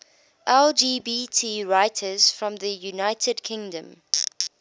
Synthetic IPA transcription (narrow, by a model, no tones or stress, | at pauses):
ʔɛld͡ʒiːbiːtʰiːɹaɪtʰəz̥fɹɔ̃mðəjunaɪtʰədkʰɪ̃ŋdə̃m